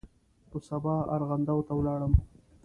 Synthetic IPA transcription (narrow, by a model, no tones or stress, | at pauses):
p̪əsabɑa̰ɾɣand̪awt̪awlɑɽəm